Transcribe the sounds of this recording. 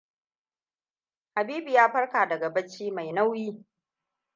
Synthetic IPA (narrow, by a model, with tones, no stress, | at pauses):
ha˨biː˦bi˨jaː˦ɸɐ˦ɽkaː˨dɐ˨ɡa˨bɐ˦t͡ʃiː˦ma˨jna˦wjiː˦